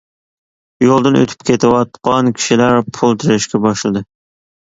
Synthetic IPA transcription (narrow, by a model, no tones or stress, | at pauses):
jolˠd̪ɨnʔø̰t̪ʰy̥p̚kʲʰet̪ʰɪwɑt̪̚qɑnkʲʰi̥ʃilæɾpʰulˠt̪ʰɪɾɪʃkʲɛbɑʃlˠɨd̪ɨ